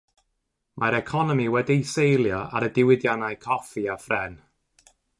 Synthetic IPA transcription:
mʔaɾɛkʰɔnɔmiwɛdijsejlˠjɔa̰ɾədɪwɪdjanajkʰɔfiafrɛn

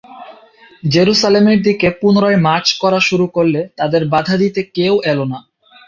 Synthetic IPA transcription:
d͡ʑeɾuʃalemeɾd̪ikepunoɾoemaɾt͡ɕkɔɾaʃuɾukoɾlet̪ad̪eɾbad̪ʱad̪it̪ekewʔɛlona

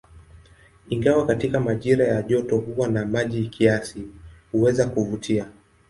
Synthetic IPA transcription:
iŋɡawakatikamaʄiɾajaʄɔtɔhuwanamaʄikʰiasihuwɛzakuvutʰia

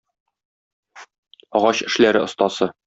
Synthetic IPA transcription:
ɒʁɑɕɘ̆ʃlæɾɘŏst̪ɑsɤ

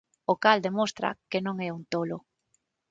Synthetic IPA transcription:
okald̪emost̪ɾa̰kenõŋɛunt̪olo

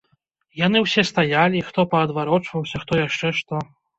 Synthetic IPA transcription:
jan̪ɨwsʲɛst̪ajalʲixt̪ɔpɐːd̪vaɾɔt͡ʂvɐwsʲɐxt̪ɔjaʂt͡ʂɛʂt̪ɔ

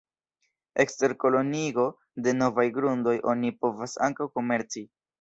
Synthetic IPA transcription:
e̞kste̞ɾko̞lo̞niɡo̞ | de̞no̞vajɡɾundo̞jʔo̞nipo̞vasaŋkawko̞me̞ɾt͡si

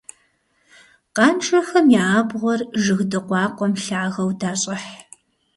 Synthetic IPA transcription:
qɑːnʈ͡ʂʼɐxɐmjaaːbʁʷɔrʒɨɣdɨqʷɑːqʷɔmɬaʕaʁɐwdaːɕʼɐħ

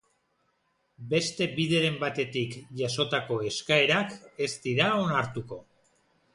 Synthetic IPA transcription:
be̞st̪e̞biðe̞ɾe̞mbat̪e̞t̪ikʝaso̞t̪ako̞e̞skae̞ɾake̞st̪iɾaonaɾt̪uko̞

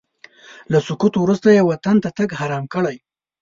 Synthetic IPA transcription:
lasʊkut̪owɾust̪ajewat̪ant̪at̪əɡhaɾɑmkəɽaj

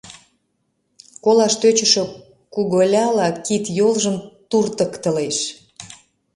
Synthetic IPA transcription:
kolɑʃt̪øt͡ɕə̆ʃø | kuɣolʲɑlɑkit̪jolʒəmt̪urt̪əkt̪ə̆leʃ

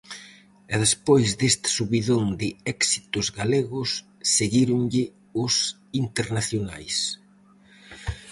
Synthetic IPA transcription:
ɛðespojzd̪est̪ɪ̥suβiðond̪ɪɛksi̥t̪ʊzɣaleɣʊsː | eɣiɾʊŋʎɪ | ʊs | int̪eɾnaθjona̰js

